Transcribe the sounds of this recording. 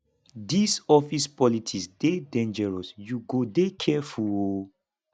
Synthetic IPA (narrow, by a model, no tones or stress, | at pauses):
disɔfispɔlitʰisdedɛ̃nd͡ʒɛɹɔsjuɡodekʰɛfuo